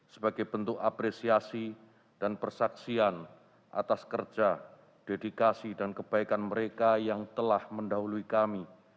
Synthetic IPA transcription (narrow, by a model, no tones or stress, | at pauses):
səbaɡajbənt̪ʊkapɾesiasi | d̥anpərsaksian | ʔa̰t̪askərd͡ʒa | d̥edikasidankəb̥aikanməɾekajaŋt̪əlahməndaɦuluikami